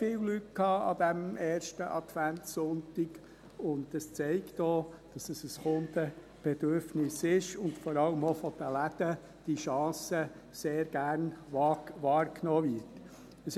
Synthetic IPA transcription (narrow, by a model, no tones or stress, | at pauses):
fɪːwlyt̚kʰɑːɑ̰d̥̪æmʔɛːɾʃtəʔɑt̪ʋæntsʊntɪk | ʊndəst͡sɛɪktoːd̥ɑsəsəsxʊnd̥ə | b̥ɛd̥̪øɾfnɪsɪʃʊndfɔɾɑləmofɔd̥̪əlæd̥ə | d̥iʃɑ̃ːsə | seːɾɡ̥æɾnʋɑʋɑːɾknoːvɪɾt | əs